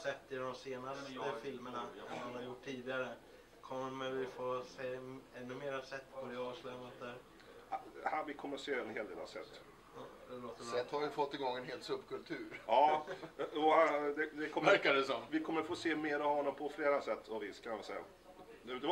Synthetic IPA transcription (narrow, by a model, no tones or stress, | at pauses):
sɛt̪ːɪd̪ɔmseːnasfɪlmənahanaɾjʊʈʰːiːd̪ɪɡaɾə | kʰɔmːəɾvɪfoːseːɛnːɵmeːɾasɛt̪ːpʰod̪ɪɑːʂlɛmət̪̚d̪æɾ | havɪkʰɔmːəɾseːɛnɦeːld̪eːla̰sɛ̰t̪ː | d̪ɛloːt̪əɛt̪haɾjəfɔt̪ːɪɡɔŋːɛnɦeːlt̪sɵbkɵlt̪ʰʉ̟ːɾɑː | ɔhad̪ɛd̪ɛkʰɔmɾkadɛsɔmvɪkʰɔmːəɾfoːseːmeːɾavhɔnːɔmpʰɔfleːɾasɛt̪ʰːɔvɪskʰanavɪsɛjːa̰ | d̪ɛʉt̪ə